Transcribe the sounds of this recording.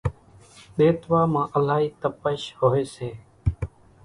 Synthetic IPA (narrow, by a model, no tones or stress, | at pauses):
ɗ̪eːt̪ʋaːmãːʔəlaːɦiːt̪əpəʃhoːeːseː